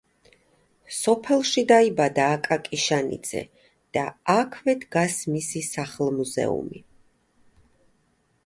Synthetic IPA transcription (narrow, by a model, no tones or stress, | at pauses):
sɔpʰɛlˠʃid̪aibad̪aːkʼakʼiʃanḭd̪z̥ɛ̰ | d̪̥aakʰvɛd̪ɡasmisisaχlˠmuzɛ̰ṵmḭ